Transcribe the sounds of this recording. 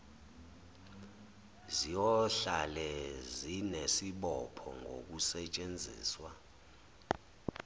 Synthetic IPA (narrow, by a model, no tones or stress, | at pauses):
zijɔɬalɛzinesiɓɔpʰɔ̰ŋɡʱo̰k̬usɛt͡ʃʼend͡zʱḭːswa